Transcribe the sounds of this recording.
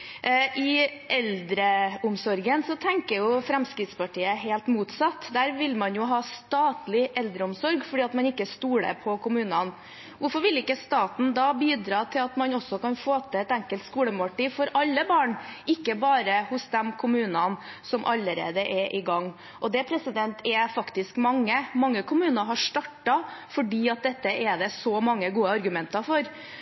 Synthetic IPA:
ʔɪʔɛld̪ɾəʊmsɔɾɡənsɔt̪ʰɛŋkəɾjʊfɾɛmskɾɪt̪spɑʈiːəɦɛːlt̪muːt̪sɑt̪ːd̪æːɾʋɪlmɑnjʊɦɑːst̪ɑːt̪lɪʔɛld̪ɾəʊmsɔɾɡfɔɖiːɑt̪mɑnɪkːəst̪uːɽə̰pʰɔkʰʊmʉːnɑn | ʋʊɾfɔɾʋɪlɪkːəst̪ɑːt̪n̩d̪ɑːbiːd̪ɾɑːt̪ʰɪlɑt̪mɑnɔsːɔkɑnfoːt̪ʰəɛt̪ɛŋkəlt̪skuːləmɑʈiːfɔɾɑlːəbɑːɳʔɪkːəbɑːɾəhʊsd̪ɛmkʰʊmʉːnɑnsɔmʔɑ̰lːəɾḛːd̪əʔɛʔɪɡɑŋː | ʔɔd̪ɛpʰɾɛsɪd̪ɛnt̪ʰɛfɑkt̪ɪskmɑŋːəmɑŋːəkʰʊmʉːnɑɾɦɑʂt̪ɑʈːɑfɔɖiːɑt̪̚d̪ɛt̪ːəʔɛd̪ɛsɔmɑŋːəɡuːəɑɾɡʉmɛnt̪ɑfɔɾ

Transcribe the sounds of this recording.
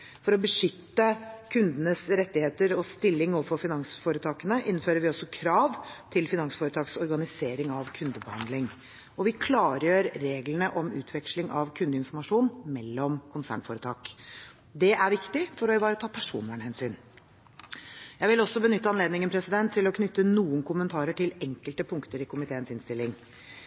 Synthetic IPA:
fɔɾɔbəʂʏt̪ːəkʰʉnd̪ənəsɾɛt̪ːɪheːt̪əɾɔst̪ɪlːɪŋuːʋəfɔɾfɪnɑŋsfoːɾət̪ʰɑːkənəʔɪnːføːɾəɾʋɪɔsːɔkʰɾɑːʋt̪ʰɪlfɪnɑŋsfoːɾət̪ʰɑːksɔɾɡɑnɪseːɾɪŋɑʋkʰʉnd̪əbəhɑ̰nd̪lɪŋ | ɔʋɪkʰlɑːɾjøːɾɾeːɡlənəʔɔmʉ̰ːt̪ʰʋɛkʂlɪŋʔɑʋkʰʉnd̪əɪnfɔɾmɑʂuːnmɛlːɔmkʰʊnsæ̰ːɳfoːɾət̪ʰɑːk | d̪ɛʔæɾʋɪkt̪ɪfɔɾɔbɑːɾət̪ʰɑːpʰæʂṵːnʋæɳəhɛnsyːn | jæɪʋɪlɔsːɔbənʏt̪ːəɑnleːd̪nɪŋənpʰɾɛsɪd̪ɛnt̪ʰːɪlɔkʰnʏt̪ːənuːənkʊmənt̪ʰɑːɾəʈʰɪlɛŋkəlt̪əpʰʊŋkt̪əɾɪkʊmɪt̪ʰeːənsɪnst̪ɪlːɪŋ

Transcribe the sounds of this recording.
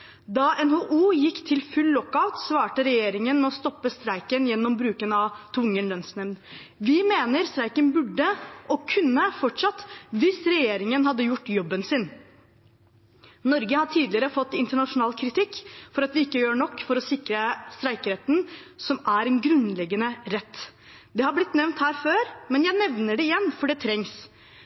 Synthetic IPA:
d̪ɑʔɛnhoːʔuːjɪkːt̪ʰɪlfʉlːɔkːaʉt̪sʋɑːʈəɾɛjeːɾɪŋənmɛɔst̪ɔpːəst̪ɾæɪkənjɛnːɔmbɾʉːkənɑʋt̪ʰʋʊŋːənlœnsnɛʋn | ʋɪmeːnəɾst̪ɾæɪkənbʉɖːəʔɔkʰʉnːəfɔʈʂɑt̪ːʋɪsɾɛjeːɾɪŋənɦɑd̪ːəjʊʈːjɔbːənsɪn | nɔɾɡəhɑʈʰiːd̪lɪəɾəfɔt̪ːɪnt̪əɳɑʂʊnɑːlkʰɾɪt̪ɪkːfɔɾɑt̪ʋɪɪkːəjøːɳɔkːfɔɾɔsɪkɾəst̪ɾæɪkəɾeːt̪n̩sɔmæɾɛnɡɾʉnlɛɡːənəɾɛt̪ː | d̪ɛhɑɾblɪt̪nɛʋnt̪hæːɾføːɾmɛnjæɪnɛʋnəɖɛɪjɛnːfɔɖɛt̪ʰɾɛŋs

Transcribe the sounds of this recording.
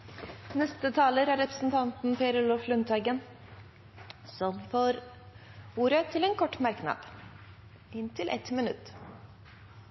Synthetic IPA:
nɛst̪ət̪ʰɑːləɾæɾɛpɾəsn̩t̪ʰɑnt̪n̩pʰeːɾəɭɔflʉnt̪ʰɑɡən | sɔmfoːɾ | uːɾət̪ʰɪlɛːnkʰɔʈːmæɾknɑ̰ːd̪̥ | ɪnt̪ʰɪlʔɛ̰t̪mɪnʉt̪ː

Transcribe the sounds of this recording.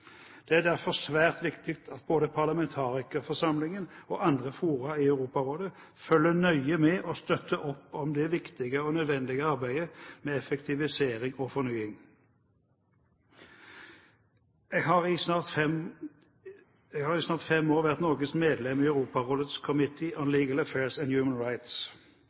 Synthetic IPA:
d̪̥ɛæʁd̪æʁfɔʁsʋæːʁt̪ʋɪkt̪ʰɪkt̪ʰɑt̪̚boːd̪əpʰɑʁlɑmɛnt̪ʰɑːʁɪkəfɔʁsɑmlɪŋənoːʔɑnd̪ʁəfuːʁɑiœʉʁuːpɑʁoːd̪ə | fœlːənœʏəmɛʔɔst̪œt̪ʰːəʔɔpːɔmd̪ɛʋɪkt̪ɪɡəɔnœd̪ʋɛnd̪ɪɡəɑʁbæɪd̪əmeːɛfɛkt̪ʰɪʋɪseːʁɪŋɔfɔʁnyːɪŋ | eɡɦɑʁɪsnɑːʁt̪fɛm | ɛɡhɑːʁɪsnɑːʁt̪fɛmːoːʁʋæʁt̪nɔʁɡəsmeːd̪lɛmiːæʉʁuːpɑʁoːlət̪skʰɔmɪt̪ʰɪʔɔnliːɡələfeːʁsɛnd̪jʉːmənɹaɪt̪s

